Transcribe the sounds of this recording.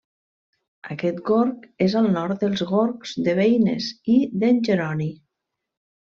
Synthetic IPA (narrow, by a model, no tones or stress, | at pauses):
ə̰kɛt̪ɡoɾkezəlˠnɔɾt̪d̪əlˠzɣoɾkz̥ðəβejnḛziðənʲʒəɾɔni